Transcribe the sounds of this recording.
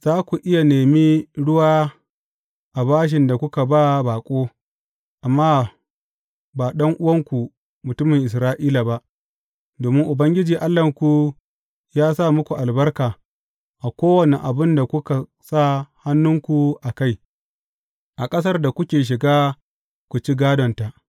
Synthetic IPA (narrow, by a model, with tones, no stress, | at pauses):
z̥aː˦kʷu˨ʔɪ˦ja˨neː˨mi˦ɽʊ˦waː˦ | ʔa˨baː˦ʃ̬ɪ˨nda˨kʷʊ˦ka˨ba˦baː˨kʷʼoː˦ | ʔa˨mːaː˦ | baː˨ɗɐ˦ŋʔʊ˦wɐ˦ŋkʷu˨ | mʊ˨tʊ˦mɪ˨ŋʔɪ˨s̬ɾaː˦ʔiː˦la˨ba˦ʔ | doː˨mɪ˦ŋʔʊ˨bɐ˦ŋɡʲɪ˦d͡ʒiː˨ʔa˦lːɐ˨ŋkʷu˨ | jaː˦sa˦˨mʊ˦kʷu˨ʔa˨lbɐ˦rkaː˨ | ʔa˨kʷoː˦wɐ˨ne˨ʔa˨bɪ˦nda˨kʷʊ˦ka˨ | sa˦˨ha˦nːʊ˦ŋkʷu˨ʔa˨ka˦˨j | ʔa˨kʼɐ˦s̬ɐ˦rda˨kʷʊ˦kʲeː˨ʃ̬ɪ˨ɡaː˦ | kʷu˨t͡ʃi˦ɡaː˦dɔ˨nta˨ʔ